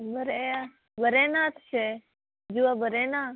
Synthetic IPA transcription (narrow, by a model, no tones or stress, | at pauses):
bəɾea | bəɾeːnaːt̪ʰt͡ʃʰe | d͡ʒuabəɾeːnaː